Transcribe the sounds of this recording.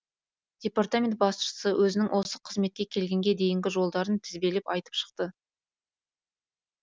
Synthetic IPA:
d̪̥ʲe̞part̪amʲe̞nt̪̚bɑsʃə̥səwʔɵzɪnɪŋwʔo̞səqʰəzme̞t̪̚kʲe̞kʲʰe̞lɡʲe̞ŋɡʲed̪e̞jɪŋɡʲɪʒo̞lˠd̪ɑɾənt̪ʰɪzbe̞lɪpɑjt̪ə̥pʃə̥q̚t̪ə

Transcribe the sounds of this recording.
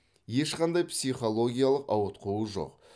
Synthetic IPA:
je̞ʃqɑnd̪ɑjpsiχo̞lˠo̞ɡʲijalˠəqɑwət̪̚qʰəwəʒo̞̰q

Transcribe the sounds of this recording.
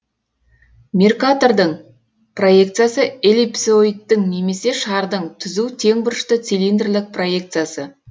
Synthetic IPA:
mʲirkat̪o̞ɾd̪əɴ | pro̞jekt̪sɨjasəelepsojt̪ːɪŋne̞me̞se̞ʃɑɾd̪əɴt̪ʰʏzut̪ʰe̞ŋbʊɾəʃt̪ət̪silind̪rlɪk̚pro̞je̞kt̪sɨjasə

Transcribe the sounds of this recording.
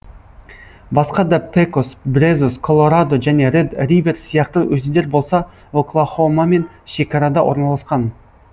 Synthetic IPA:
bɑsqɑd̪ɑpʰekosbɾezuskʰo̞lˠo̞ɾad̪o̞ʒæne̞ɾed̪rijve̞ɾsijɑqt̪əwɵzɪd̪e̞ɾbo̞lˠsɑ | oklˠaχo̞mame̞n | ʃe̞kɑɾɑd̪ɑwʔo̞̰ɾnɑlˠɑsqɑn

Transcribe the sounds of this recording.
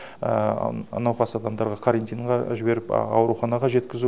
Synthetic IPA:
nɑwqɑsɑd̪ɑmd̪ɑɾʁɑqʰaɾent̪ijɴʁɑʒɪbe̞ɾɪpɑ̰wɾuχɑnɑʁɑʒe̞t̪kʲɪzu

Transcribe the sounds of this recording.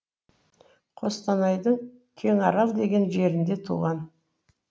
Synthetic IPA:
qʰo̞st̪ɑnɑjd̪əɴ | kʲʰe̞ŋɑɾɑzd̪e̞ɡʲe̞nʒe̞ɾɪnd̪e̞t̪ʰṵʁɑn

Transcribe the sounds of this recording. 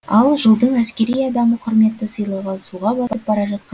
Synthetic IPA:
ɑlˠʒəlˠd̪əɴæskkʲe̞ɾijɑd̪ɑməqʰʊɾme̞t̪ːɪsəjlˠɑwʁɑsuʁɑbɑp̚b̥ɑɾɑʒɑt̪̚qɑ

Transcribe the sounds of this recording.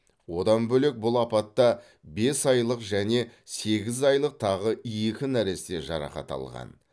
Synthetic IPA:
wo̞d̪ɑnbɵle̞k̚bʊlˠɑpɑt̪ːɑ | be̞sɑjlˠəqʒæne̞se̞ɡʲɪzɑjlˠəq̚t̪ʰɑʁəijjekʲɪnæɾe̞st̪e̞ʒɑ̰ɾɑ̰χɑ̰t̪ɑ̰lˠʁɑ̰n

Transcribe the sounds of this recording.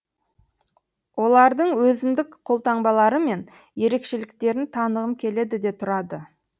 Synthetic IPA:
wo̞lˠɑɾd̪əɴwɵzɪmd̪ɪkqʰo̞lˠt̪ɑɴbɑlˠɑɾəme̞n | je̞ɾe̞kʃe̞lɪkt̪e̞ɾɪnt̪ʰɑnəʁəmkʲʰe̞le̞d̪ɪd̪e̞t̪ʰʊɾɑd̪ə

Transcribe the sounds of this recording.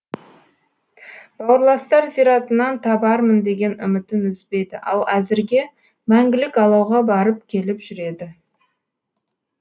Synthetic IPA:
b̥ɑwəɾlˠɑst̪ɑɾzijɾɑt̪ənɑnt̪ʰɑbɑɾmənd̪e̞ɡʲe̞nʏ̰mɪt̪ɪnʏzbe̞jd̪ɪʔɑ̰lˠæzɪɾɡʲe̞ | mæŋɡʲɪlɪkɑlˠɑwʁɑbɑɾəp̚kʲʰe̞lɪpʒ̥ʏɾe̞d̪ɪ

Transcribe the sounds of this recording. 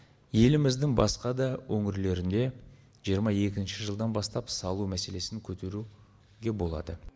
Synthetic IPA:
je̞lɪmɪzd̪ɪŋbɑ̰sqɑd̪ɑwʔɵŋɪɾle̞ɾɪnd̪e̞ | ʒijəɾmɑe̞kʲɪnʃɪʒəlˠd̪ɑnbɑst̪ɑpsɑlˠumæse̞le̞sɪŋkʲʰɵt̪ʰe̞ɾu | ɡʲe̞bo̞lˠɑ̰d̪ə

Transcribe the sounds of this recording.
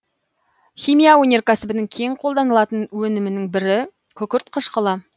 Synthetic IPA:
χʲimijaonʲe̞rkʲʰæsɪbɪnɪŋkʲʰeŋqʰo̞lˠd̪ɑnəlˠɑt̪ənwɵnɪmɪnɪŋbɪɾɪ | kʲʰɵkʲɪɾt̪qʰəʃqəlˠɑ

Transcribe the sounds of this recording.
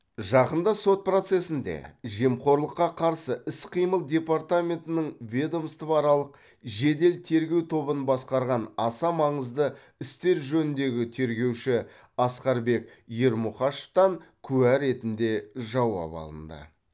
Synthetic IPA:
ʒɑqənd̪əso̞t̪̚pro̞t̪se̞sɪnd̪e̞̰ʒe̞mqo̞ɾlˠəqːɑqʰɑɾsəʔɪsqʰijməlˠd̪ʲe̞paɾt̪amʲe̞nt̪ɪnɪɴvʲe̞d̪o̞mst̪əvɑɾɑlˠəq | ʒe̞d̪e̞lt̪ʰe̞ɾɡʲe̞wt̪ʰo̞bənbɑsqɑɾʁɑnɑsɑmɑɴəzd̪ə | ɪst̪e̞ɾʒɵnɪnd̪e̞ɡʲɪt̪ʰe̞ɾɡʲe̞wʃɪ | ɑsqɑɾbe̞k̚ | je̞ɾmuχɑʃə̥ft̪ɑŋkʲʰʉwæɾe̞t̪ɪnd̪e̞ʒɑwɑ̰pɑ̰lˠə̰nd̪ə̰

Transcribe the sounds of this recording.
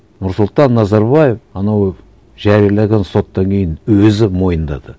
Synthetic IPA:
nʊɾsʊlˠt̪ɑnːɑzɑɾβɑjefɑnɑw | ʒæɾijalˠɑɡʲenso̞t̪ːɑŋkʲʰe̞jɪnwɵzɪmo̞jənd̪ɑ̰d̪̥ə

